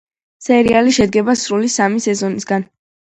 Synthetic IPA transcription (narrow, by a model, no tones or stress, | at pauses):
sɛɾialiʃɛd̪̚ɡɛbasɾulisamisɛzɔnisɡan